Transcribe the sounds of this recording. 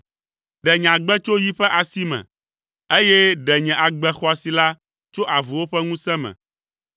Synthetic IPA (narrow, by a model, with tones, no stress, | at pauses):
ɖɛ˨ɲɛ̃˨ã˨ɡ͡bɛ˦t͡ʃo˦ji˦ɸɛ˦ʔa˨si˦mɛ̰̃˨ | e˦jɛ˦ɖɛ˨ɲɛ̃˨ʔa˨ɡ͡bɛ˨xɔ˨˦a˨si˨la˦ | t͡ʃo˦ʔa˨vu˨wo˦ɸɛ˦ŋũ˦sɛ˦mɛ̰̃˨